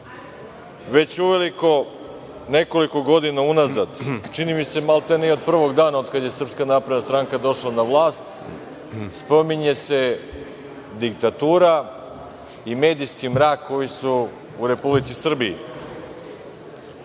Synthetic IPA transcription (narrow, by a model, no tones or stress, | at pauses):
ʋe̞t͡ɕuʋe̞liko̞ | ne̞ko̞liko̞ɡo̞d̪inaunazad̪t͡ʃinimise̞malˠt̪eniod̪̚pr̩ʋo̞ɡd̪aːnaod̪kad̪je̞sr̩pskanaːpɾed̪nast̪ɾaŋkad̪o̞ʃlanaʋlˠaːst̪ | spo̞miɲe̞se̞ | d̪ikt̪at̪uːɾa | ime̞ːd̪ijskimɾaːkkːo̞jisuː | ɾe̞publit̪sisr̩biḭ